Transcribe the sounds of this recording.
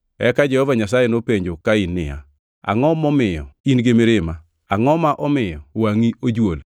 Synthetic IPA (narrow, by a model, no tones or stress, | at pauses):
ɛ̰kad͡ʒɛhɔvaɲas̬ajɛnopeɲd͡ʒokainːɪ̰ja̰ | a̰ŋɔmɔmɪjɔ̰inɡemeɾɪma | aŋɔmaʔɔmɪjɔwaŋiod͡ʒwol